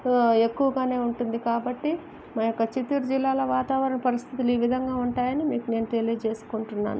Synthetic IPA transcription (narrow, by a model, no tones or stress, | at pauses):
e̞kːuʋɐɡaːne̞ːuɳʈund̪ikaːbɐʈːi | maːjɔkːɐt͡ʃit̪ːuɾd͡ʒilːaːlɐʋaːt̪aːʋɐɾɐnɐpɐɾist̪ʰit̪̬uluiːʋid̪ʱɐŋɡaːuɳʈaːjɐnimiːkune̞ːnuʈe̞liːt͡ʃe̞ːsu̥kuɳʈunːa̰ːnu